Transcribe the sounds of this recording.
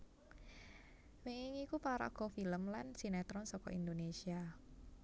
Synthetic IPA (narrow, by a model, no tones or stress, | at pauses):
meŋiŋikupaɾa̰ɡ̥ɔfiləmlansinɛt̪ɾɔnsɔkɔ̰ind̪onesia